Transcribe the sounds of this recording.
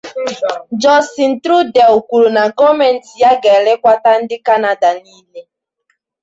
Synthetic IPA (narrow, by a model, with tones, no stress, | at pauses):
d͡ʒɔ˦si˨n̩˨tɾu˦dɛ˨o˨kʷu˨ɾu˨na˨ɡɔ˦mɛ˨n̩˨ti˨ja˦ɡɛ˨le˦kʷa˦ta˦n̩˦dɪ˦ka˦na˨da˨niː˦le˦